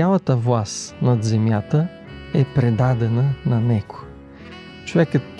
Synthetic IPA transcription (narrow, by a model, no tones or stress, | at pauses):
alˠɐt̪əvlˠast̪nɐd̪zɛmjat̪ə | ɛpɾɛd̪ad̪ɛnənɐnɛko̥ | t͡ʃovɛkət̪